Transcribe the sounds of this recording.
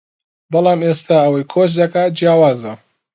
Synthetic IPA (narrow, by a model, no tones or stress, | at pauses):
bɑlˠɑːmest̪aːɐwɐjkʰot͡ʃd̪ɐkaːd͡ʒjaːwaːzɐ